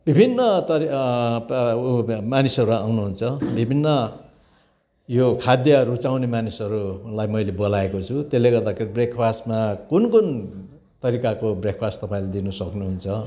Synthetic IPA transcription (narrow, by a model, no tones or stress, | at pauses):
b̥ibʱinːʌt̪ʌ | manisʌɾuawnuɦunt͡sʰʌbʱibʱinːʌ | jokʰad̪jʌɾut͡sawnemanisʌɾulajmʌjlebolaekot͡sʰut̪elːeɡʌrd̪akʰeɾibrekʰpʰastmakunkun | t̪ʌɾikakobrek̚ʰpʰastt̪ʌpaĩlad̪inʌsʌknuɦunt͡sʰʌ